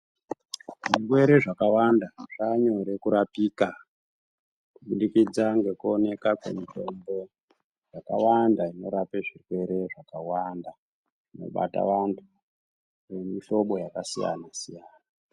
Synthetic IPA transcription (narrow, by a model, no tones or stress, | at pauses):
ʐirwe̞ɾe̞ʐakawandaʐ̥aɲo̞ɾe̞kuɾapiːka | kuɓuɗikid͡zaŋɡe̞kuone̞kakwe̞̰mito̞mbo̞ | jaka̰wandaino̞ɾapeʐirwe̞ɾe̞ʐakawanda | ʐino̞̰ɓa̰ta̰ʋantʰu | re̞miʃo̞ɓo̞jakasija̰nasijaːna